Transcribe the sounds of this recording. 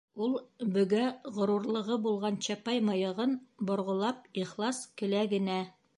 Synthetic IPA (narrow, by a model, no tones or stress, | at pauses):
ulˠbɵ̆ɡæʁŏɾuɾlˠɤ̆ʁɤbulˠʁɑnɕæpɑjmɑjɤ̆ʁɤnbŏɾʁŏlˠɑp̚iχlˠɑskɘ̆læɡɘ̆næ